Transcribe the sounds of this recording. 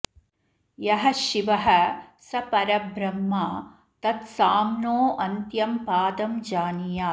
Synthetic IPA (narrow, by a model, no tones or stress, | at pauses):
jɐɦɐʃiʋɐɦɐsɐpɐɾɐbɾɐmːaː | t̪ɐt̪saːmnoːʔɐnt̪jɐmpaːd̪ɐmd͡ʒaːnijaː